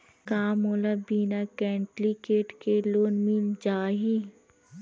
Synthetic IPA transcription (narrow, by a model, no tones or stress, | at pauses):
kaːmoːlabiːnakɛːɳʈlikeːʈkeloːnmiːmd͡ʒaːɦi